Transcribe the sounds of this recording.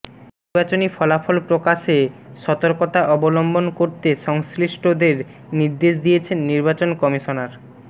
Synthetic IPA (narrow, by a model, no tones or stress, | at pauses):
niiɾbat͡ɕonifɔlafʰolpɾokaʃe | ʃɔt̪oɾkot̪aʔɔbolombonkoɾt̪eʃɔŋsɾiʃʈʰod̪eɾ | niɾd̪eʃd̪ijet͡ɕʰenːiɾbat͡ɕonkɔmiʃonaɾ